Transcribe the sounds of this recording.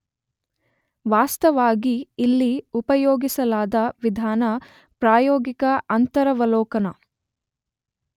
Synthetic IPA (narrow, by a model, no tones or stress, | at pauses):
ʋaːst̪ɐʋaːɡiːlːiupɐjoːɡisɐlaːd̪ɐʋid̪ʱaːnɐ | pɾaːjoːɡikɐɐnt̪ɐɾɐʋɐlɔːkɐnɐ